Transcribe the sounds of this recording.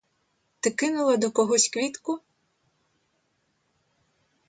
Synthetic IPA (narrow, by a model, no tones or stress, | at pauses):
t̪ɪkɪnʊlˠɐd̪ɔkɔɦɔsʲkʋʲit̪kʊ